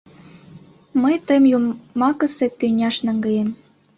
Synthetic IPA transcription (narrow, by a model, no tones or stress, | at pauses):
məjt̪əmjumɑkə̆set̪ynʲɑʃnɑŋɡəjem